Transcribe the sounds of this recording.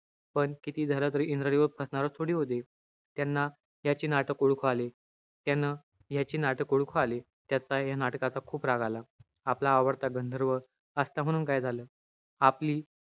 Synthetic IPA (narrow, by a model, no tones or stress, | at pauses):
pəɳkit̪iːd͡zʱalət̪əɾiːʔind̪ɾəɾiʋəpʰəsɳaɾət͡st̪ʰoɽiːɦot̪̬e | t̪janːa | jat͡ɕiːnaʈəkuɽkʰoale | t̪janːa | jat͡ɕiːnaʈəkuɽkʰoale | t̪jat͡sajanaʈkat͡sakʰuːpɾaɡʱala | aplaːʋəɾt̪aɡənd̪ʱəɾʋə | əst̪am̤əɽ̃uːnkajd͡zʱaləː | apliː